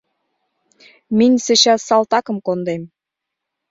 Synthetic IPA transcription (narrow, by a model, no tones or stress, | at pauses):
minʲsɘ̆ɕɑsɑlt̪ɑkə̆mkond̪em